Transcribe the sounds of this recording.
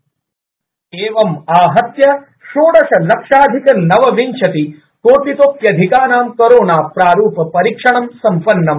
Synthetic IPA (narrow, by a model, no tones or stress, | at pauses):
eːʋɐmaːɦɐt̪jɐ | ʃoːɽɐʃɐlɐkʂaːd̪ʱikɐnɐʋɐʋiɲt͡ʃʰɐt̪i | koːt̪it̪oːpjɐd̪ʱikaːnaːmkɐɾoːnaːpɾaːɾuːpɐpɐɾikʂɐɳɐmsɐmpɐnːɐm